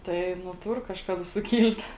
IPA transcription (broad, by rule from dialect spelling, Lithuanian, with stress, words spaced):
ˈtɐɪ nʊ ˈtʊr kɐʃˈkɑːdɐ sʊˈkʲiːlʲtʲ